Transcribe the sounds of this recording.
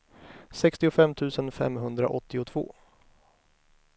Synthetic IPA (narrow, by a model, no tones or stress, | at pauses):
sɛkst̪ɪʊfɛmt̪ʰʉ̟ːsənfɛ̰mɦɵnd̪ɾa̰ʔɔt̪ːɪʊt̪ʰv̥o̰ː